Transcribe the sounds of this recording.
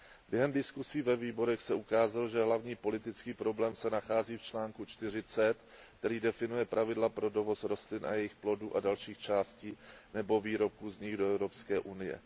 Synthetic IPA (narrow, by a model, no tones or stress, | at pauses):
bjɛɦɛmdɪskusiːvɛviːbo̞ɾɛxsɛukaːzalʒɛɦlavɲiːpo̞lɪt̪ɪt͡skiːpɾo̞blɛːmsɛnaxaːziːft͡ʃlaːŋkut͡ʃt̪ɪr̝ɪt͡sɛt̪ | kt̪ɛɾiːdɛfɪnujɛpɾʔavɪdlapɾo̞do̞vo̞sɾo̞st̪lɪnʔa̰jɛjɪxplo̞duːʔadalʃiːxt͡ʃaːsciːnɛbo̞viːɾo̞p̚kuːzɲɪxdo̞ɛvɾo̞pskɛːʔunɪjɛ̰